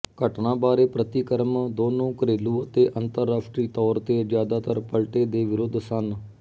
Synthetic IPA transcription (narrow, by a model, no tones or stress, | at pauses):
kəʈnãːbaːɾeːpɾət̪ikəɾmd̪oːnõːkɾeːluːət̪eːʔənt̪əɾːaːʂʈɾiːt̪ɔːɾt̪eːd͡ʒjaːd̪aːt̪əɾpəlʈeːd̪eːʋɪɾʊd̪ʱsən